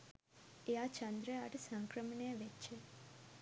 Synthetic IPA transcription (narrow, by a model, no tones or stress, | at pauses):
eat͡ʃãnd̪ɾəaʈsãŋkɾəmɳeʋet͡ʃʰe